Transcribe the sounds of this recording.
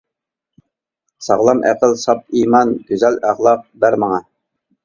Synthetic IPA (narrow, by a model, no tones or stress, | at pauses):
sɑ̰ʁlˠɑmʔæ̰qəlsɑp̚imɑnɡ̥ʲøzælæʁlˠɑq̚bæɾmɑŋɑ